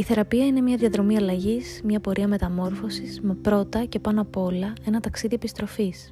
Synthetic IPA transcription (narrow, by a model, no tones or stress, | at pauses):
iθe̞ɾɐpiɐine̞mɲɐðjɐðɾo̞miɐlɐʝismɲɐpo̞ɾʔiɐme̞t̪ɐmo̞ɾfo̞sismepɾo̞t̪ɐce̞pɐnoɐpo̞lɐe̞nɐt̪ɐksiðie̞pist̪ɾo̞fis